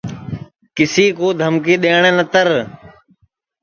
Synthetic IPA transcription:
kɪsiːkoːd̪ʱəmkiːɗeːɳ̃ẽːnət̪əɾ

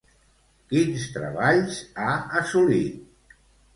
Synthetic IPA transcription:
kinst̪ɾə̰βaʎzaəsulit̪

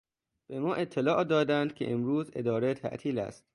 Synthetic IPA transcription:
b̥e̞mɒːʔe̞t̪ʰːelɒːʔd̪ɒːd̪ænd̪̚kʲʰeʔemɾuːze̞̰d̪ɒːɾet̪ʰæ̰ʔt̪ʰiːlæ̰st̪

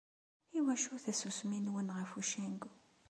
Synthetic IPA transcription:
iwæʃuθæsusminwənʁəfuʃiŋɡ

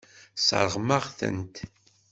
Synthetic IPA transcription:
sə̰ɾˤəʁməʁθə̰nt̪

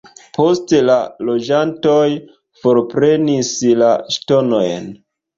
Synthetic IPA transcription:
po̞stelalo̞d͡ʒanto̞j | fo̞ɾpɾe̞nislaʃto̞no̞jn

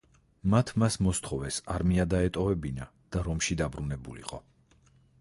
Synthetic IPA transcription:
mat̪ʰmasmɔst̪ʰχɔvɛsaɾmiad̪aɛt̪ʼɔvɛbina | d̪̥aɾɔmʃid̪abɾunɛbulḭqʼɔ

